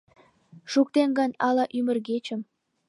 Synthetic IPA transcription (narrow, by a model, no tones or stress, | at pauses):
ʃuk̚t̪enɡɑnɑlɑʔymə̆rɣet͡ɕə̆m